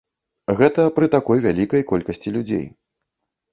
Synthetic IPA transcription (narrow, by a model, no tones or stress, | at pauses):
ɣɛt̪ɐpɾɨt̪akɔjvʲalʲikɐjkɔlʲkɐsʲt͡sʲilʲud͡zʲḛj